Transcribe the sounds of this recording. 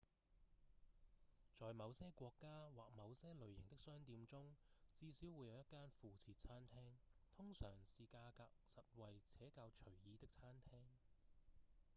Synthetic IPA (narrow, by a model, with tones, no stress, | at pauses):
t͡sɔː˨jmɐ˨˧wsɛː˥kʷɔː˧kːaː˥waː˨k̚mɐ˨˧wsɛː˥lɵ˨ɥjɪ˨˩ŋt̪ɪ˥k̚sœː˥ŋt̪iː˧mt͡sʊ˥ŋt͡siː˥si˨˥wːuː˨˧jɐ˨˧wjɐ˥t̚kːaː˥nfuː˨t͡sʰiː˧t̚t͡sʰaː˥nt̪ʰɛː˥ŋt̪ʰʊ˥ŋsœ̰ː˨˩ŋsiː˨kaː˧kaː˧k̚sɐ˨t̚wɐ˨jt͡sʰɛː˨˥kaː˧wt͡ʃʰɵ˨˩ɥjiː˨˧t̪ɪ˥k̚t͡sʰaː˥nt̪ʰɛː˥ŋ